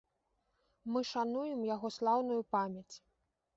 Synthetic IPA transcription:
mɨʂanujɛmjaɣɔslˠawnujupamʲjɐt͡sʲ

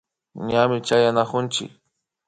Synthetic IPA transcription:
ɲamɪt͡ʃajanakʊnt͡ʃɪ̰k

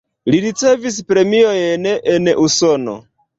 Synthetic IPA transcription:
liɾit͡se̞vis̬pɾe̞miojnenʔuso̞no̞̰

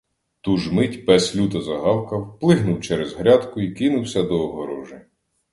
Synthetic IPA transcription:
t̪uʒmɪtʲpɛslʲut̪ɐzɐɦɑwkɐwplˠɪɦnʊwt͡ʃɛɾɛzɦɾʲɑd̪kʊikɪnʊwsʲɐd̪ɔːɦɔɾɔʒɪ

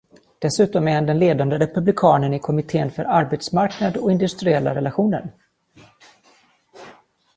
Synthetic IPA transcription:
d̪̥ɛsʉ̟ːt̪ɔmɛhɛnd̪ɛnleːd̪and̪əɾɛpɵblɪkʰɑːnənɪkʰɔmɪt̪ʰeːnfœ̰ɾaɾbet̪smaɾknad̪ɔɪnd̪ɵst̪ɾɪɛlːa̰ɾɛlaɧuːnə̰ɾ

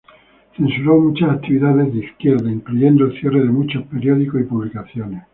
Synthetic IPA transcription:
θẽ̞nsuɾomut͡ʃasakt̪iβiðaðezðeiskjeɾðaiŋkluʝend̪olθje̞reðemut͡ʃaspeɾjoðikosipuβlikaθjones

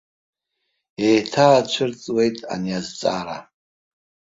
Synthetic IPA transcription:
ejtʰaːt͡ʃʷʰɨrt͡sʼwe̞jtʼa̰niazt͡sʼa̰ɾa

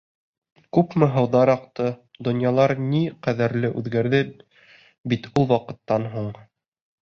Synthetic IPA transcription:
kʉpmɘɦɤ̆wðɑɾɑqt̪ɤd̪ŏnjɑlˠɑɾniqæðɘɾlɘʔʉðɡæɾðɘ | bit̪ulˠwɑqɤ̆t̪ːɑnɦuɴ

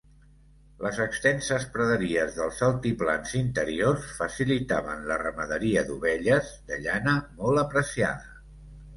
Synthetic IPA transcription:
ləzəkst̪ɛnsəspɾəðəɾiəzðəlˠzəlˠt̪ipla̰nzint̪əɾiosfəsilit̪aβənlərəməðəɾiəd̪uβɛʎəzd̪əʎanəmɔlˠəpɾəsia̰ðə

